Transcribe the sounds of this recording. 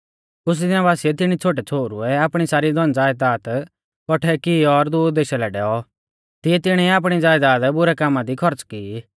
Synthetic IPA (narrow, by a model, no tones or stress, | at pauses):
kʊs̬d̪ɪnãbaːsiɛt̪ɪɽ̃it͡sʰoːʈ̬ɛt͡sʰoːɾṵɛapɽ̃isaːɾid̪ʱɔnd͡zaːjd̪aːt̪ | kɔʈʰɛkiɔɾd̪ʊːɾd̪eːʃalɛɖɛːɔ | t̪ɪɛt̪ɪɽ̃iap̬ɽ̃id͡zaːjd̪aːd̪bʊɾɛkaːmːãd̪ikʰɔɾt͡skiː